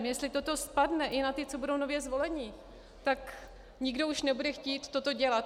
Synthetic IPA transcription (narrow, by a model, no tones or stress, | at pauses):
mjɛst̪lɪt̪ot̪o̞spadnɛʔɪnat̪ɪt͡so̞budo̞wnovjɛzvo̞lɛɲiː | t̪ak | ɲɪɡdo̞uʃnɛbudɛxciːt̪ːo̞t̪o̞ɟɛlat̪